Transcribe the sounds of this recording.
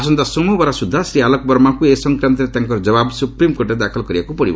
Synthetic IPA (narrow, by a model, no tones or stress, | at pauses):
sɔnt̪asɔmɔbaɾasud̪ʱːasɾialɔk̚bɔɾmakuesɔŋkɾant̪ɔɾet̪aŋkɔɾɔd͡ʒɔβabsupɾimkoʈɾed̪akʰɔlkɔɾibakupɔɽḭb̰